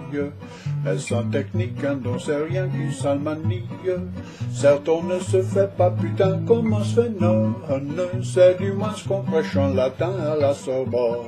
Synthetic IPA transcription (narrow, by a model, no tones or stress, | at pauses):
ə | ɛlsɑ̃t̪ɛknikɛ̃d̪ɔ̃sɛʁjɛ̃kynsalmanijə | sɛʁt̪ɔ̃nəsəfɛpapyt̪ɛ̃kɔ̃mɑ̃sɛnɔ̃nøsɛd̪ymwɛ̃sə̥kɔ̃fʁɛʃɔ̃lat̪ɛ̃alasɔʁbɔ